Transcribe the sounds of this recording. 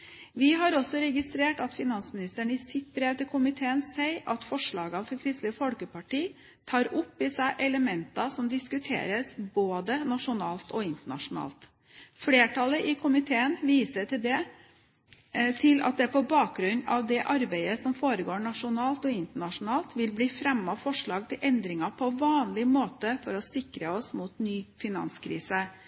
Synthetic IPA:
ʋɪɦɑɾɔsɔɾɛɡɪst̪ɾeːʈɑt̪fɪnɑnsmɪnɪst̪əɳəɪsɪt̪̚bɾeːʋt̪ɪlkʰʊmɪt̪ʰeːənsæɪʔɑt̪fɔʂɭɑːɡɑfɔɾkʰɾɪst̪ləfɔlkəpɑʈiː | t̪ʰɑːɾʊpːɪsæɪʔɛləmɛnt̪ɑsɔmd̪ɪskʉt̪ʰḛːɾəsboːd̪ənɑʂʊnɑːlt̪ɔɪnt̪əɳɑ̰ʂʊnɑ̰ːlt̪ | fleːʈʰɑləʔɪkʰʊmɪt̪ʰeːənʋiːsəʈɪld̪ɛ | t̪ʰɪlɑ̰t̪̚d̪ɛpɔbɑːk̚ɡɾʉnɑʋd̪ɛʔɑɾbæɪəsɔmfoːɾəɡoːɳɑʂʊnɑːlt̪ɔɪnt̪əɳɑʂʊnɑːlt̪ʋɪlbliːfɾɛmɑfɔʂɭɑːɡ̚t̪ʰɪlʔɛnd̪ɾɪŋɑpʰɔʋɑːnlɪmoːt̪əfɔɾɔsɪkɾəɔsmuːt̪nyːfɪnɑ̰nskʰɾḭːsə

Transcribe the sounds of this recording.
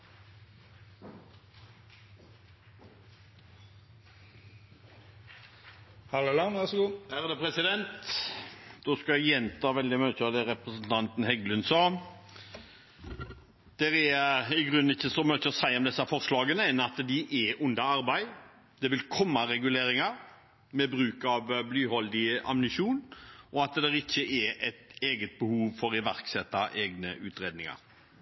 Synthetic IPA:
hɑlolɑnʋæsɡuːhæːʁd̪ɛpʰɾɛsɪd̪ɛnt̪ | d̪oːskɑjɛnt̪ʰɑːʋɛld̪ɪmœʏçəd̪ɛɾɛpʁəsən̩t̪ʰɑnt̪n̩hɛɡlʉnsɑː | d̪̥ɛɾæɪɡɾʉnːɪçːəsɔmœt͡ʃəɔsæɪɔmd̪ɛsːɑfɔɾslɑːɡənəɛnɑt̪d̪ɪʔɛʔʊnd̪ɑɑɾbæɪ | d̪̥ɛʋɪlkʰɔmːɑɾɛɡʉleːɾɪŋɑɾ | mɛbɾʉːkɑʋblyːhɔld̪ɪɑ̰mnɪʃuːnɔɑt̪d̪ɛɾɪçːəʔɛɛt̪eːɡət̪̚bəhuːʋfɔɾɪʋæɾksɛt̪ːɑʔeːɡnə̰ʔʉːt̪ɾeːd̪nɪŋɑ̰ɾ

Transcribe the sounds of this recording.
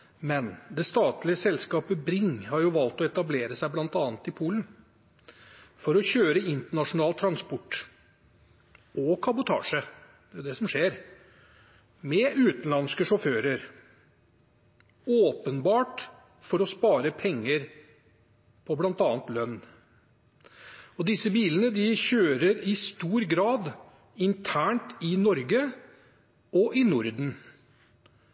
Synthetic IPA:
mɛnd̪ɛst̪ɑːt̪lɪəsɛlskɑːpəbɾɪŋhɑɾjʊʋɑlt̪ɔɛt̪ɑbleːɾəsæɪblɑnt̪ɑːnt̪ɪpʰuːln̩ | fɔɾɔçøːɾəɪnt̪əɳɑʂʊnɑːlt̪ʰɾɑnspɔʈː | ʔɔkʰɑbʊt̪ʰɑ̰ːʂə | d̪ɛʊd̪ɛsɔmʂeːɾ | mɛʉːt̪nlɑnskəʂɔføːɾəɾ | oːpənbɑːʈ | fɔɾɔspɑːɾəpʰɛŋːəɾ | pʰɔblɑnt̪ɑːnt̪lœnː | ɔd̪ɪsəbiːlənəd̪ɪçøːɾəɾɪst̪uːɾɡɾɑːd̪ | ɪnt̪ʰæːɳʈɪnɔɾɡə | ʔɔʔɪnʊɾd̪n̩

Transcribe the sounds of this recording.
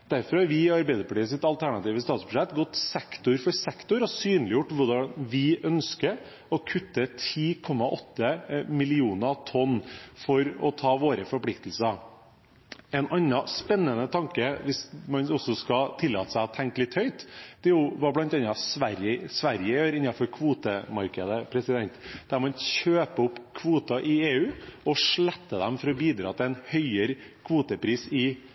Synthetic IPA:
d̪̥æɾfɔɾɑɾʋɪɑɾbæɪd̪əɾpɑʈiːəs̬ɪt̪ɑlt̪ʰæɳɑt̪iːʋəst̪ɑːt̪sbʉʂɛt̪ːɡɔt̪ːsɛkt̪ʊɾfɔɾsɛkt̪ʊɾɔsyːnlɪjʊʈːʋʊɖɑʋɪʔœnskə | ɔkʰʉt̪ːət̪ʰiːkʰɔmːɑʔɔt̪ːəmɪlɪuːnət̪ʰɔnːfɔɾɔt̪ʰɑːʋoːɾəfɔɾpʰlɪkt̪əlsəɾ | ɛnʔɑnːɑspɛnːənət̪ʰɑŋkəʋɪsmɑnɔsɔskɑt̪ʰɪlːɑːt̪ə̥sæɪt̪ʰːɛŋkəlɪt̪hœʏt̪d̪̥ɛjʊʋɑblɑnt̪ɑnːɑsʋæɾjəsʋæɾjəjøːɾɪnːɑfɔɾkʰʋuːt̪əmɑɾkəd̪əpʰɾɛsɪd̪ɛnt̪d̪̥æɾmɑnɕøːpəʊpːkʰʋuːt̪ɑʔɪeːʉːɔʂɭɛt̪ːəd̪ɛmfɔɾɔbiːd̪ɾɑ̰ːt̪ʰɪlɛnhœʏəɾkʰʋuːt̪əpʰɾiːsɪ

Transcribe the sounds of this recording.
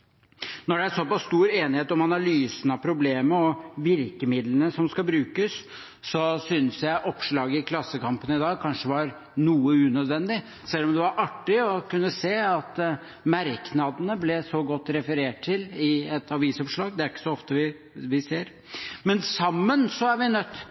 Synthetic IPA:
nɔɖɛæsɔpɑsːt̪uːɾeːnɪheːt̪ɔmɑnɑlyːsənɑpʰɾʊbleːməɔʋɪɾkəmɪd̪lənəsɔmskɑbɾʉːkəsː | ɔsʏnsjæɪʔɔpʂɭɑːɡəɪkʰlɑsːəkɑmpənəɪd̪ɑːɡ̚kʰɑnʂəʋɑɾ | nuːəʉnœd̪ʋɛnd̪ɪ | sɛlːɔmd̪ɛʋɑɾʔɑʈːɪɔkʉnːəseːɑt̪ | mæɾknɑd̪ənəblɛsɔɡɔt̪ːɾɛfəɾeːʈʰːɪlɪɛt̪ʰɑʋiːsɔpʂɭɑːɡd̪ɛæɾɪkːə̥sɔɔft̪əʋɪ | ʋɪseːɾ | mɛnsɑmːənsɔæɾʋɪnœt̪ː

